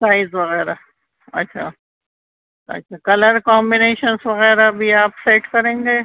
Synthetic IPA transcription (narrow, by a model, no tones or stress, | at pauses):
saːɪzʋɐɣɛːɾa | ɐ̰tːʃʰa̰ | ɐ̰ʃʰakɐləɾkaːmbɪneːʃənsʋɐɣɛːɾabʱiaːpseːʈkɐɾẽːŋɡeː